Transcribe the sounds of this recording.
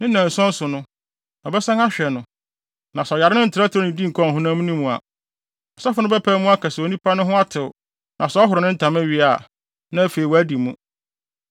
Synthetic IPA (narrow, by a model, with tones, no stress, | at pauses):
nɪ̃˦nã˨n̩˨sɔ̃˦n˦sʊ˨nʊ̃˦ | ɔ˨bɛ˦sã˦ŋa˦ɕᶣɛ˨nʊ̃˨ | nã˨sɔ˨ja˨ɾɪ˦ɪ̃˦n̩˨tʰɪ˨ɾa˦tɪ˨ɾɔ˦nɪ̃˨dĩ˦ŋ̩˨kʰɔ̃˦˨ɦʊ̃˦nã˦mũ˦nĩ˦mũ˨a̰˨ | ɔ˨sa˦fʊ˦nʊ̃˦bɛ˦pʰæː˦mũ˦a˦kʰa˨sɛ˨o˨nĩ˦pʰa˦nʊ̃˦ɦʊ̃˦a˦tʰɪ˨wʊ˨ | nʔã˨sɔ˦ɔ˦ɦʊ˨ɾɪ˨˦nɪ̃˦n̩˦tʰã˨mɛ˦ɥi˦a˨ | nã˦fe˨ɾi˨wɔ˨æ˦di˨mũ˦